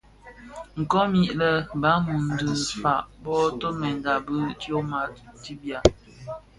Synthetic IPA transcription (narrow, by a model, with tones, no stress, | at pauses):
ŋ̩˨kɔ˦mi˦ʔlə˨ba˨˦mu˨n˨də˨fa˨ʔbɔ˦to˦mɛ˨n˨da˨bə˦tjo˦ma˨ti˦bja˨